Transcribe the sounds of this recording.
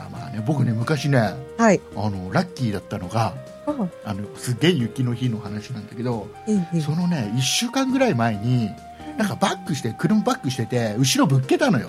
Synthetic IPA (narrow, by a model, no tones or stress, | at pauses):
ma̰ma̰ːnebo̞kɯ̟ne̞mɯ̟kaɕine̞haiano̞ɾakʲːiːd̪at̪ːano̞ɡa | ano̞sɨɡe̞ijɯ̟kʲino̞çino̞hanaɕinãnd̪ake̞d̪o̞ | so̞no̞ne̞iɕːɨːkãŋɡɯ̟ɾaimae̞ɲ̟i | nãŋkabakːɯ̟ɕi̥t̪ekɯ̟ɾɯmɯbakːɯ̟ɕ̬i̥t̪e̞t̪e̞ɯ̟ɕiɾo̞bɯ̟kːe̞t̪ano̞jo̞̰